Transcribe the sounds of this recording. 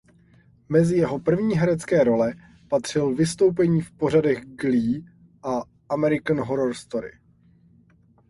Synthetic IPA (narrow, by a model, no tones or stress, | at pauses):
mɛzɪjɛɦo̞pr̩vɲiːɦɛɾɛt͡skɛːɾo̞lɛ | pat̪r̝̥ɪlvɪst̪o̞wp̬ɛɲiːfpo̞radɛɣɡliː | ʔa | ʔamɛɾɪkanɦoɾoɾst̪oɾɪ̰